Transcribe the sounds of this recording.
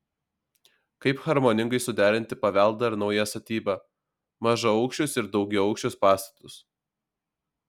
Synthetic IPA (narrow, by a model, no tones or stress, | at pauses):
kɐɪpxɐɾmonʲɪŋɡɐɪsʊd̪ʲæːɾʲɪnʲt̪ʲɪpɐʋʲæˑlˠd̪ɐɾnɒʊjæst̪ɐt̪ʲiːbɑː | mɐʒɐɒʊkʃʲt͡ʃʲʊsɪɾd̪ɒʊɡʲɛʊɐʊkʃʲt͡ʃʲʊspɑːst̪ɐ̥t̪ʊs